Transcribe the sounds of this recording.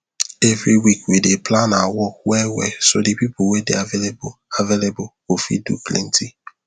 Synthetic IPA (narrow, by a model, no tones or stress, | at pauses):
ɛvɹiwikwideplanawɔk̚wɛwɛ̰sodepipʊwɛdeavelbavelebʊ | ofḭdṵplɛ̰̃ntʰi